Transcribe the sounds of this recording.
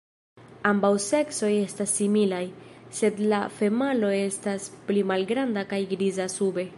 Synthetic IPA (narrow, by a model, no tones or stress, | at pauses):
ambawse̞kso̞je̞stasːimilajse̞dlafe̞malo̞e̞stasplimalɡɾandakajɡɾizasube̞